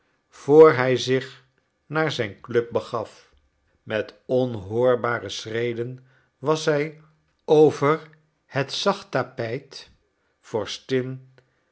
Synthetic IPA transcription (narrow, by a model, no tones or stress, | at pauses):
v̥oːɹɦɛjzɪχ | naːɹzɛjnklɵp̚bəχɑf | mɛtɔnɦʊːɹbaːrəsrejdən | ʋɑsɦɛj | owvəɹ | hətsɑχtapɛjt | fɔːɹstɪn